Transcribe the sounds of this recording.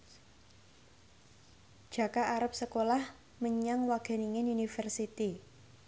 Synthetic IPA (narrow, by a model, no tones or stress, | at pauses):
ʒ̥a̤kaʔaɾap̚səkolah | məɲaŋwaɡ̥a̤niŋenunifərsit̪i